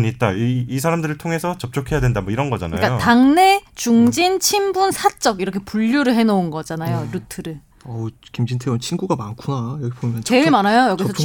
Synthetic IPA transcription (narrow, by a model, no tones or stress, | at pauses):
ɲit̚t͈aiːs̬ʰaɾamdɯɾɯɭtʰoŋe̞sʰʌt͡ɕʌp̚t͡ɕ͈okʰe̞jadwendamʌiɾʌnɡʌd͡ʑa̰na̰jkajotaŋne̞t͡ɕuŋd͡ʑint͡ɕʰimbunsʰat͡ɕ͈ʌɡiɾʌkʰe̞puʎːuɾɯɭɦe̞nʌunɡʌd͡ʑanajoɾutʰɯɾɯ | ʌkimd͡ʑintʰeunt͡ɕʰinɡuɡamankʰunajʌɡipoimʌnt͡ɕe̞iɭmanajojʌɡisʰʌ